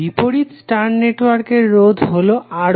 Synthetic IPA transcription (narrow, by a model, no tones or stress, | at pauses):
ipoɽit̪sʈaɾneʈwaɾkeɾːod̪ʱɦoloʔa